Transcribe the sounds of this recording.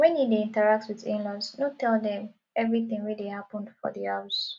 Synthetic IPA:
wɛ̃njideĩntəɹak̚twiðĩnlasnotɛldɛ̃m | ɛvɹiθɪ̃ŋwidehapə̃ndfɔ̰ðias

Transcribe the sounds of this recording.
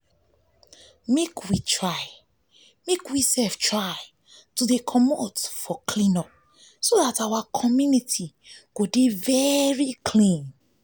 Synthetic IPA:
mekʰwitʰɹaɪ | mekwisɛlftɹaɪ | tudekʰɔmotfɔklĩnɔp̚ | sodatawakʰɔmjunitʰi | ɡ̥odevɛɹikʰlĩn

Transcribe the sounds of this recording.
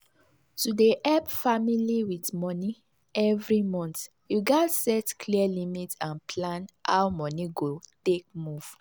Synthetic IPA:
tudeʔɛpfamiliwidmɔni | ɛvɹimɔ̃nt | juɡasɛtkliəlimitãnpʰlãnha̰wmɔniɡotek̚muv̥

